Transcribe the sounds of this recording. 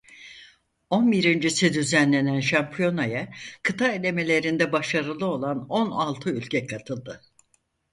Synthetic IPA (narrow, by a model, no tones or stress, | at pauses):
o̞nbiɾind͡ʒisid̪yzænlʲe̞nænʃampʰijo̞najakʰɯt̪ʰaelʲe̞me̞lʲe̞ɾind̪ɛbaʃaɾɯlˠɯo̞lˠano̞nalˠt̪ʰɯylʲcʰɛkʰat̪ʰɯlˠd̪ɯ